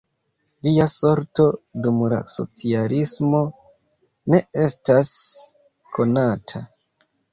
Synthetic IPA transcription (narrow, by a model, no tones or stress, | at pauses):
liaso̞ɾto̞dumla̰so̞̰t͡sialismo̞ | ne̞e̞stas | kʰo̞natʰa